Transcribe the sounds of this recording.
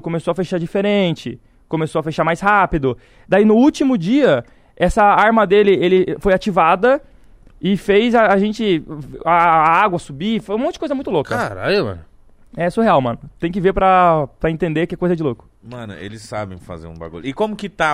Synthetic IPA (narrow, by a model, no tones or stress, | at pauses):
kõmesoɐfeʃaɾd͡ʒifeɾẽnt͡ʃɪ | kõmesowɐfeʃaɾmajshapid̪ʊ | d̪ainʊut͡ʃimʊd͡ʒiɐ | ɛsɐaɾmɐd̪elɪelɪfojat͡ʃivad̪ɐ | ɪfejzɐːʒẽnt͡ʃɪaːaɡwɐsubifojũmõt͡ʃɪd͡ʒɪkojzɐmũj̃t̪ʊlokɐaɾa̰imɐ̰̃nʊ | ɛsʊheawmɐ̃nʊt̪ẽj̃k̬ɪveɾpɾɐpɾɐẽnt̪ẽnd̪eɾkɛkojzɐd͡ʒɪlokʊ̥mɐ̃nʊ̰ḛlɪsːabḛ̃j̃fa̰zḛɾũba̰ɡṵʎʊɪkõmʊkɪt̪a